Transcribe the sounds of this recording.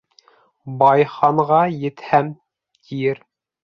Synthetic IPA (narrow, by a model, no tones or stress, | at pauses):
bɑjχɑɴʁɑjɘ̆t̪hæm | t̪ʰijɘɾ